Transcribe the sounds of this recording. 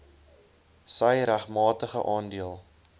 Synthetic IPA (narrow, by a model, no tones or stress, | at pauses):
səjɾæχmɑːtəχəʔɑːndiəlˠ